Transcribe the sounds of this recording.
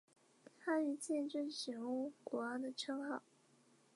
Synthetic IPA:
hʰa˥y˧˩t͡ɕjɛ˥˧nʈ͡ʂə˥˩ŋɕi˨˩xʊ˥ŋkwɔ˧˥ɑ˥˩ŋd̪ə˨˩ʈ͡ʂʰɤ˥ŋxɑ˥˩ʊ

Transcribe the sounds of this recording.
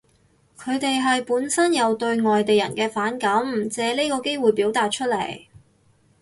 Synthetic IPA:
kʰɵ˨˧ɥt̪e˨jɦɐ˨jpuː˨˥nsɐ˥njɐ˨˧wt̪ɵ˧ɥŋɔː˨jt̪e˨jɐ̰˨˩nkɛː˧faː˨˥nkɐ˨˥m˩t͡sɛː˨˥leː˥kɔː˧ke˥jwuː˨jpiː˨˥wt̪aː˨t̚t͡ʃʰɵ˥t̚le˨˩j

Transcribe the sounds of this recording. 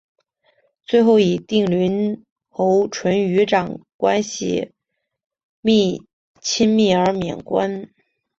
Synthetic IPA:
t͡swe˥˧ɪxo˥˩ʊi˨˩t̪i˥˩ŋlyi˧˥n | xo˧˥ʊʈ͡ʂʰwə˧˥ny˧˥ʈ͡ʂɑ˨˩ŋkwa˥nɕḭ˨˩ | mi˥˩ | t͡ɕʰi˥nmi˥˩ə˞˧˥mjɛ̰˨˩nkwa̰˥n

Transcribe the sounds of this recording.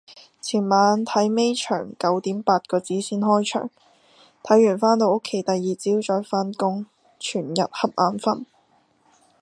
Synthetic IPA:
t͡sʰiː˨˩nmaː˨˧nt̪ʰɐ˨˥jme˥jt͡ʃʰœ̰ː˨˩ŋkɐ˨˥wt̪iː˨˥mpaː˧t̚kɔː˧t͡siː˨˥siː˥nhɔː˥jt͡ʃʰœ̰ː˨˩ŋ | t̪ʰɐ˨˥jːyː˨˩nfaː˥nt̪o˧wʊ˥kʰːe˨˧˥jt̪ɐ˨jːiː˨t͡siː˥wt͡ʃɔː˧˥jfaː˥nkʊ˥ŋ | t͡ʃʰyː˨˩njɐ˨t̚hɐ˨p̚ʔaː˨˧nfɐ˥n

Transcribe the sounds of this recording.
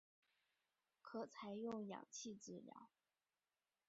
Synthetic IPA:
kʰɤ˨˩t͡sʰa˧˥ɪjʊ˥˩ŋjɑ̰˨˩ŋt͡ɕʰi˥˧ʈ͡ʂɻ̩˥˩ljɑ̰˧˥˦ʊ

